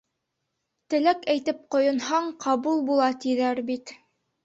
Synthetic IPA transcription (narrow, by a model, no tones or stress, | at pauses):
t̪ɘ̆lækæjt̪ɘp̚qŏjɤ̆nhɑɴqʰɑβulˠbulˠɑt̪iðæɾbit̪